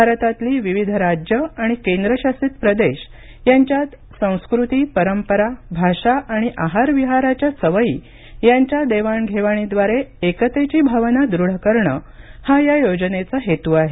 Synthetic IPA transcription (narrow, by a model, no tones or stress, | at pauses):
bʱaɾət̪at̪liːʋiʋid̪ʱɾad͡ʑjəaɽ̃ikẽnd̪ɾəɕasit̪pɾəd̪eɕ | jaɲt͡ɕjat̪ | sə̃w̃skɾut̪iːpəɾəmpəɾabʱaɕaʔaɽ̃iʔaɦaɾʋiɦaɾat͡ɕjasəʋəḭː | jaɲt͡ɕjad̪eʋaɳɡʱeʋaɽ̃id̪ʋaɾeekət̪et͡ɕiːbʱaʋnad̪ɾuɽ̤əkəɾɳə | hajajod͡ʑənet͡səɦet̪uːaɦe